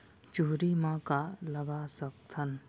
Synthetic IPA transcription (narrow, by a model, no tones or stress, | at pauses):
t͡ʃuːɾimãkaləɡasək̚t̪ʰɐn